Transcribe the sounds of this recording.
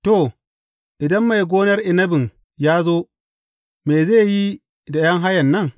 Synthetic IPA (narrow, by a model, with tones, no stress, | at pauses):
to˦˨ | ʔɪ˨dɐ˦mːa˨jɡʷoː˦nɐ˦rʔɪ˨nɐ˦bɪ˨ŋ | jaː˦zoː˦ | me˨ze˦˨ji˦ | da˨jɐ˦ŋɦa˦jɐ˨nːɐ˦˨ŋ